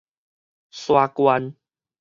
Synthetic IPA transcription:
swa˧kwa˧n

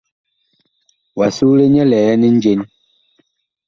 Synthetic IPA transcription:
wa˨su˦le˦ɲɛ˦lɛ˨˦ni˦n̩˦d͡ʒe˦n

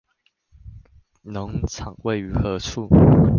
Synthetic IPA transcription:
nə˨˦ŋt͡sʰɑ˨˩ŋwe˥˨ɪy˨˥xɤ˨˦t͡sʰu˥˨

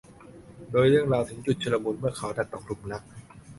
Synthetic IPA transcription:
doː˧jɾɯ˥˩əŋɾaː˧wt̪ʰɯ˩˦ŋt͡ɕu˨˩t̪̚t͡ɕʰɯː˧la˧buː˧nmɯ˥˩əkʰa˦wna˨˩t̪ːɔː˨˩klu˨˩mna˦˥k̚

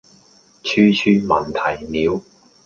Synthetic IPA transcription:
t͡ʃʰyː˥t͡ʃʰyː˥mɐ˨˩nt̪ʰɐ˨˩jniː˨˧w

